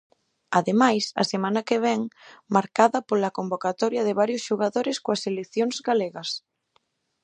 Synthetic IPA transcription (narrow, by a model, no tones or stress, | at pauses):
aðemajsɐ̰semãnakeβ̞ɛŋmaɾkaðɐpolakombokat̪ɔɾjɐðeβaɾjosʃuɣaðoɾeskoaselekθjoŋzɣaleɣɐs